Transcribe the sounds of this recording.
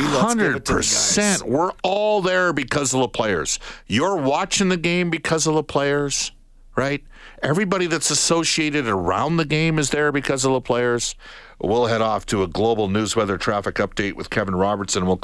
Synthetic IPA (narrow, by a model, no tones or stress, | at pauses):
hʌ̃ndəd̚pʰə̰˞sɛ̃nʔwɪ˞ɔlˠðə˞bɨkʰʌzʌvðəpʰl̥eɪə̰˞z̥jə˞wɑt͡ʃɪ̃ŋðɨɡẽɪ̃mbɨkʰʌzʌvðəpʰl̥eɪə˞z̥ | ɹaɪt̚ | ɛvɹibɑɾiðɨtsɨsoʊʃieɪɾɨɾə˞ã̰ʊ̃nðɨɡẽɪ̃mɨzðə˞bɨkʰʌzʌvðəpʰl̥eɪə˞z̥ | wɪlˠɦɛɾɔftʰɨəɡloʊbl̩ˠnʉzwɛðə˞tʰɹ̥æfɨkʌp̚d̥eɪʔ̚wɨ̰ð̥kʰɛṽn̩ɹɑbə˞tsɨ̃nwɪlˠ